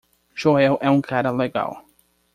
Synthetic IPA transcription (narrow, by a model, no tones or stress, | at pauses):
ʒoɛwʔɛũkʰaɾɐleɡa̰w